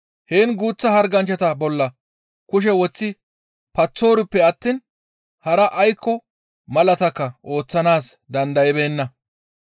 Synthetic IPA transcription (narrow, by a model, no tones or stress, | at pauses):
heːnɡuːt͡sːɐhɐɾɡɐnt͡ʃːɐt̪ɐbɔlːɐ | kʊʃ̬ɛwɔt͡sːɪ | pɐt͡sːo̞ːɾɪpːɛɐt̪ːiːn | hɐɾɐʔɐjkːɔ | mɐlɐt̪ɐkːɐʔo̞ːt͡sːɐnaːs | d̪ɐnd̪ɐjɪbe̞ːnːɐ